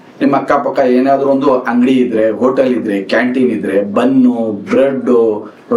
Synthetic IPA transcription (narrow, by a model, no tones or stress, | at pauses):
nimːɐkːaːpɐkːaeːnaːd̪ɾuond̪uɐŋɡɽiːd̪ɾe̞ɦoːʈɐlid̪ɾe̞kaːɳʈinid̪ɾe̞bɐnːubɾeɖu